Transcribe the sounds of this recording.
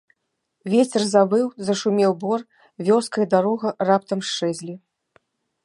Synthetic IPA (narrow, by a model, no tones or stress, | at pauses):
vʲet͡sʲɛrzabɨwzɐʂumʲɛwbɔr | vʲɔskɐjid̪aɾɔɣɐrap̚t̪ɐmʂt͡ʂɛzʲlʲi